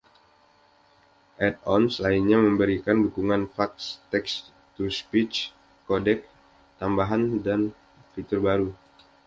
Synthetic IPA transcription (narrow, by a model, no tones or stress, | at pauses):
ʔɛt̪̚ɔnslainɲaməmbəɾikandukuŋanfakst̪ɛks | t̪uspit͡ʃ | kodɛk̚ | t̪ambaɦandan | fit̪ʊrbaɾu